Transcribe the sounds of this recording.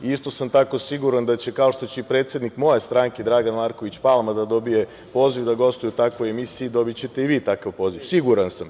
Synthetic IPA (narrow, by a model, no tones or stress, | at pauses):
ist̪o̞samt̪ako̞siɡuɾand̪at͡ɕe̞kao̞ʃt̪o̞t͡ɕeipɾe̞ːt̪sjed̪nikmo̞je̞st̪ɾaŋked̪ɾaːɡanmaːɾko̞ʋit͡ɕpalˠmad̪ad̪o̞bije̞ | po̞ːziʋd̪aɡo̞st̪ojut̪akʋo̞jemisiid̪o̞bit͡ɕe̞t̪e̞iʋiːt̪akaʋpo̞ːziʋsiɡuɾansam